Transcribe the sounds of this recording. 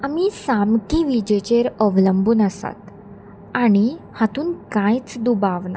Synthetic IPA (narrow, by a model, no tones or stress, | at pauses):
amiːsamkiʋid͡ʑet͡ɕeɾəʋləmbuːnəsa̰t̪ | aɽ̃ihat̪uːnkãjt͡sd̪ubaʋna̰